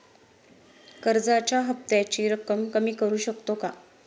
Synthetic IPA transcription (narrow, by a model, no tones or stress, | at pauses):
kəɾd͡zat͡ɕaɦəp̚t̪jat͡ɕiːɾəkəmkəmiːkəɾuːɕəkt̪oka